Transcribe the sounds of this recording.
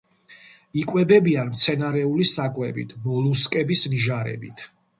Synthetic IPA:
ikʼwɛbɛbianmt̪sʰɛnaɾɛulisakʼwɛbḭt̪ʰmɔlˠuskʼɛbisniʒaɾɛ̰bit̪ʰ

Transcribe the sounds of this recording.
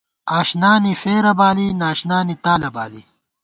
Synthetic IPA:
aːɕnaːnifeːɾɐbaːlinaːʃnaːnit̪aːlɐbaːlḭ

